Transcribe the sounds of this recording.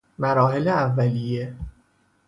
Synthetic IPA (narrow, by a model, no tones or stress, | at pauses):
mæɾɒːɦeleævːælije̞